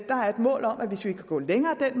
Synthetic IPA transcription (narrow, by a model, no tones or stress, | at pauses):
d̥ɑ̈æɐe̝d̥mɔ̰ːlɒ̽mʔæʋe̝sʋikʰːæɡ̥ɔ̰ːleŋɐːd̥en̰m